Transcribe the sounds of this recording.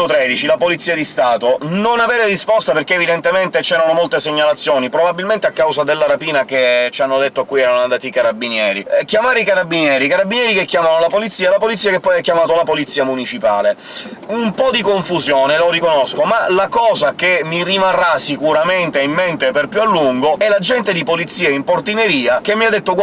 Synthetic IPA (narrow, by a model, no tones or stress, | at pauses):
ot̪ɾɛd̪it͡ʃilapolit̪sːiːad̪ist̪aːt̪ononavɛːɾerispɔst̪aperkeːvid̪ent̪ement̪et͡ʃɛːɾanomolt̪eseɲːalat̪sːjoːnipɾobabilment̪eakːawzad̪elːaɾapiːnaket͡ʃanːod̪et̪ːoakːujɛːɾanoand̪aːt̪ikaɾabːinjɛːɾikjamaːɾeikaɾabːinjɛːɾikaɾabːinjɛːɾikekːjaːmanolapolit̪siːalapolit̪sːiakepːɔjɛkːjamaːt̪olapolit̪siamunit͡ʃipa̰ːle | umpɔd̪ikoɱfuzjɔːneloɾikonoskomalakɔːzakemːirimarːasikuɾament̪eimːent̪eperpjualːuŋɡoɛlad͡ʒɛnt̪ed̪ipolit̪sːiːaimport̪ineɾiːakemːiad̪ːet̪ːoɡ